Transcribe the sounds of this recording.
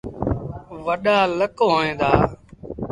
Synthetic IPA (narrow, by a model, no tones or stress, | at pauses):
ʋəɗaːləkoɦoːẽːd̪aː